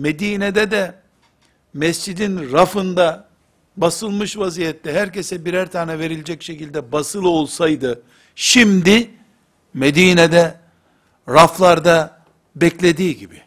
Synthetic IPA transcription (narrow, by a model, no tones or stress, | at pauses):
med̪iːned̪ɛd̪ɛ | mɛst͡ʃid̪inɾafɯnd̪a | basɯlˠmɯʃvazijɛt̪ːɛɦæɾcesɛbiɾæɾt̪ʰaːnɛve̞ɾilʲed͡ʒɛcʃecilʲd̪ɛbasɯlˠo̞lˠsajd̪ɯ | ʃimd̪i | med̪iːned̪ɛ | ɾaflˠaɾd̪a | bɛclʲe̞d̪iːɟibi